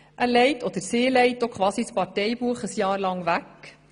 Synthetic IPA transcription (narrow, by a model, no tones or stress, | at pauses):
ʔælɛɪtʰod̥̪əɾseːlɛjtːokχʋɑːsispɑtɛjbuəχəsjɑːɾlɑŋʋæk